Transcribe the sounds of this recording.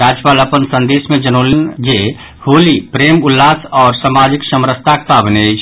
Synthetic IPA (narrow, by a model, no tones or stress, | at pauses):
aːd͡ʒpaːləpənsə̃nd̪eːsmẽd͡ʒənolind͡ʒe | hoːlipɾeːmʊlːaːsɔːɾsamad͡ʒiksəmɾəst̪ʰak̚p̪abənet͡ʃʰ